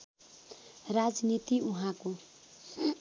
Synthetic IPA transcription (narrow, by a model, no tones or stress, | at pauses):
rad͡znit̪iuɦãko